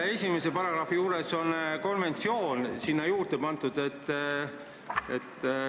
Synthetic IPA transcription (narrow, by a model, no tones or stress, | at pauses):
e̞sʲime̞se̞pɑɾɑɡ̥rɑfijuːɾe̞so̞nko̞nve̞nt̪sio̞ːnsinːɑjuːrd̪̥e̞pɑnt̪ːˑud̪̥e̞t̪ː | ḛt̪ː